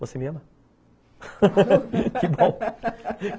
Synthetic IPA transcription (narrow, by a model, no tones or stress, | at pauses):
vosemẽmɐ | kɪbõ